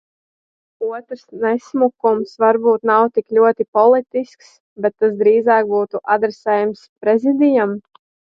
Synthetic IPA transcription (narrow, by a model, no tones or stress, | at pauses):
uɔt̪ɾsnɛsmukumsʋaɾbuːt̪nawt̪iklʲuɔt̪ipɔlˠit̪isks | bɛt̪ːasd̪ɾiːzaːk̚buːt̪uʔad̪ɾɛsɛːjamspɾɛzid̪ijam